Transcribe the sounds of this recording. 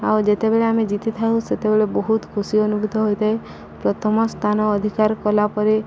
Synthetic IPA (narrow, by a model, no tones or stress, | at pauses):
awd͡ʒet̪ebeɭeamed͡ʒit̪it̪ʰaũset̪ebeɭebɔɦut̪kʰusiɔnubʱud̪ʱɔɦojt̪ae | pɾɔt̪ʰɔmɔst̪ʰanɔːd̪ʱikaɾkɔlapɔɾe